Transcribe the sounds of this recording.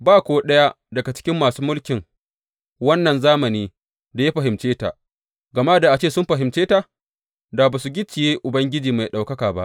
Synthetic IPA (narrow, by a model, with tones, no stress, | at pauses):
baː˦kʷoː˦ɗɐ˦ja˦ | dɐ˨ɡa˨t͡ʃɪ̥˦kʲɪ˦mːaː˨suː˦mʊ˦lkʲɪ˨ŋ | wɐ˦nːɐ˨nzaː˦mɐ˨niː˦ | da˨ja˦ɸɐ˨ɦɪ˨mt͡ʃeː˦ta̰˨ʔ | ɡɐ˨ma˦da˨ʔa˨t͡ʃeː˦˨sʊ˦mɸɐ˨ɦɪ˨mt͡ʃeː˦ta˨ | daː˨baː˨s̬u˨ɡʲɪ˦t͡ʃːɪ˨jeː˦ʔʊ˨bɐ˦ŋɡʲɪ˦d͡ʒiː˨ma˨jɗa˨wkɐ˦kaː˨ba̰˦ʔ